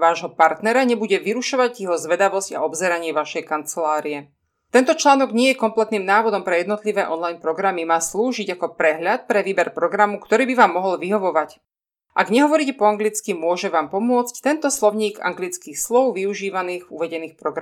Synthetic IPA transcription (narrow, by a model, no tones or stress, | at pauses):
ʋaːʒɦɔpaɾt̪nɛɾaɲɛbuɟɛʋiɾuʃɔʋaɟjɛɦɔzʋɛd̪aʋɔzca̰ɔbzɛɾaɲɪɛʋaʃɛjkant͡sɛlaːɾiɛ | t̪ɛnt̪ɔt͡ʃlaːnɔɡɲɪɛjɛkɔmplɛt̪niːmnaːʋɔd̪ɔmpɾɛjɛd̪nɔt̪liʋɛːʔɔnlajnpɾɔɡɾamimaːsluːʒiɟakɔpɾɛɦʎat̪̚pɾɛʋiːbɛɾpɾɔɡɾamukt̪ɔɾiːbiʋaːmːɔɦɔlʋiɦɔʋɔʋac | ʔaɡɲɛɦɔʋɔɾicɛpɔaŋɡlit͡skimʊɔʒɛʋaːmpɔmʊɔt͡sct̪ɛnt̪ɔslɔʊɲiːɡa̰ŋɡlit͡skiːxslɔʊʋiuʒiːʋaniːɣuʋɛɟɛniːxpɾɔɡɾa